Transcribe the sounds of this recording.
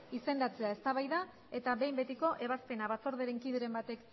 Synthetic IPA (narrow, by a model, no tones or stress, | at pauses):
ise̞nd̪at͡se̞ae̞st̪aβajða | e̞t̪aβe̞jmbe̞t̪iko̞ʔe̞β̞aspe̞naβat͡so̞ɾðeɾe̞ŋkiðeɾe̞mbat̪e̞k